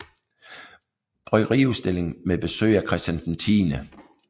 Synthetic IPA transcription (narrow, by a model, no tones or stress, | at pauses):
b̥ʁœɡ̥ʁḭːusd̥e̝le̝ŋmeb̥e̝sø̰ːɪækʰʁɛsd̥ænd̥nt͡sʰiːnə